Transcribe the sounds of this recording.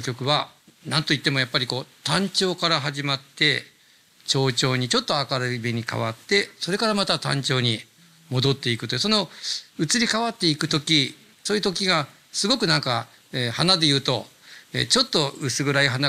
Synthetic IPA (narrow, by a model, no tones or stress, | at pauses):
kʲo̞kɯ̟βanãnt̪o̞it̪ːe̞mo̞japːaɾʲiko̞ːt̪ãɲ̟t͡ɕo̞ːkaɾaɦaʑimat̪ːe̞ | t͡ɕo̞ːt͡ɕo̞ːɲ̟it͡ɕo̞t̪ːo̞akaɾɯibeɲ̟ika̰βa̰t̪ːe̞so̞ɾe̞kaɾamat̪at̪ã̰ɲ̟t͡ɕo̞ːɲ̟i | mo̞d̪o̞t̪ːe̞ikɯ̟t̪oɯ̟so̞no̞ɯ̟t͡sɨɾʲikaβat̪ːe̞ikɯ̟t̪o̞kʲi | soːjɯ̟t̪o̞kʲiɡa | sɨɡo̞kɯ̟nãŋka | ehanad̪e̞jɯ̟ːt̪o̞ | ḛt͡ɕo̞t̪ːo̞ɯsɨɡɯ̟ɾaiɦana